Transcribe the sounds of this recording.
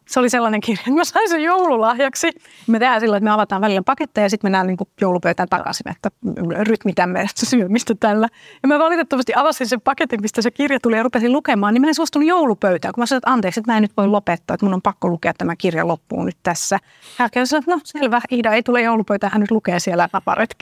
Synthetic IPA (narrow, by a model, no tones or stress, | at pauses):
seoliselːɑneŋkirjɑet̪mæsɑinsejjoululɑhjɑksi | imet̪ehænsilːoet̪møɑʋɑt̪ɑːʋælilːæpɑket̪ːejɑsit̪menːæːnniːŋkujoulupøyt̪æːnt̪ɑ̰kɑ̰sinḛt̪ːæryt̪mit̪æmːeæt̪ssyømist̪æt̪ælːæjɑmæʋɑlit̪et̪ːɑmɑst̪iɑʋɑsinsempɑket̪immist̪æsekirjɑt̪ulijɑrupesillukemɑːnimæensuost̪unːujoulupøyt̪æːŋkumæsɑnoet̪ɑnt̪eːkset̪mæˑenyt̪ʋoilopet̪ːɑːet̪munːompɑkːolukeɑt̪æmækirjɑ̰lopːṵːnyt̪t̪æsːæ | hæːkesɑnoet̪noselʋæiːdɑeit̪ulejjoulupøyt̪æːhænyt̪lukeːsielænɑpɑ̰rḛt̪k